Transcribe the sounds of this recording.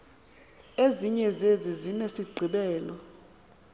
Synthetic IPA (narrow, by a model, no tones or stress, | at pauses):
eziɲɛzezizinesiɡ͡ǃʱiɓɛːlɔ